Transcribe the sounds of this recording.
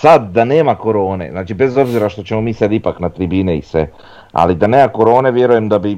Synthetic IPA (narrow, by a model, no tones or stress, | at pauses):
sad̪ːane̞ːmako̞ɾo̞ːne̞̰znaːt͡ʃibe̞zo̞bziɾaʃt̪o̞t͡ɕe̞mo̞miːsad̪ipaknat̪ɾibiːneḭsʋḛ | a̰lid̪ane̞ːmako̞ɾo̞ːne̞ʋje̞ɾuje̞md̪abi